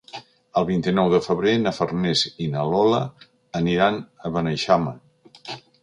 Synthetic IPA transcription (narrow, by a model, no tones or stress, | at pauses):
əlˠβint̪inɔwðəfəβɾenəfərnezinəlɔləː | niɾanəβənəʃamə